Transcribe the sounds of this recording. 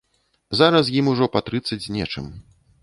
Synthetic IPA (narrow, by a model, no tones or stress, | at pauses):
zaɾɐs̬jimuʐɔpɐt̪ɾɨt̪sːɐd͡zʲnʲɛt͡ʂɨ̰m